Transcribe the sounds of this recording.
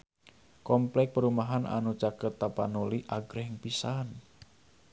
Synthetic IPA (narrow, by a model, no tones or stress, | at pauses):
kɔmplɛk̚pəɾumaɦanʔa̰nut͡ʃakət̪ːapanuliʔaɡəɾɦəŋpisan